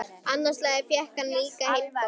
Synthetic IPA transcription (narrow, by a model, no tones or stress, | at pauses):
anːaslɛːɣaɾfjɛhkanliːkahejl